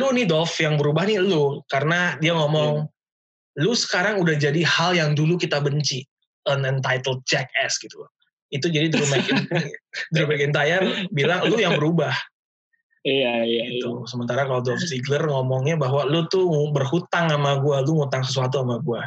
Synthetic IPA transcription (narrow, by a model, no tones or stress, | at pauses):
lunidɔlfjaŋbəɾubahnilukaɾənadiaŋɔmɔŋ | lusə̥kaɾaŋudahd͡ʒadihaljaŋdulukit̪abəɲt͡ʃi | ənənt̪ajt̪əld̚t͡ʃɛk̚ɛsɡit̪u | it̪ud͡ʒadid̪ɾumɛkɪ | d̪ɾumɛkɪnt̪ajabilaŋlujaŋbəɾubah | ɡitt̪usəmənt̪aɾakalodɔlfziɡlərŋɔmɔŋɲabaɦwalut̪ubərhut̪aŋamaɡualuŋut̪aŋsəs̬uat̪̬uamaɡua